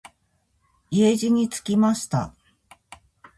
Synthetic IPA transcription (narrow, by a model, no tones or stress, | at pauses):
ieʑiɲ̟it͡sɨ̥kʲimaɕi̥t̪a̰